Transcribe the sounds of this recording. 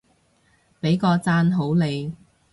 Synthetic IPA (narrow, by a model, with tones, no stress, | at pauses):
pe˨˧˥jkɔː˧t͡saː˥nɦo˨˥wle˨˧j